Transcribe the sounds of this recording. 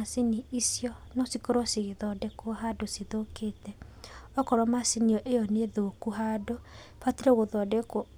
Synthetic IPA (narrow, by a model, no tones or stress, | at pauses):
asiniisjɔnɔsikoɾɔsiɣeðɔdɛkoɦadosiðokeːtɛɔkɔɾɔmasiniɔʔejɔneðokuɦado | fatiɾɛɣoðɔdɛko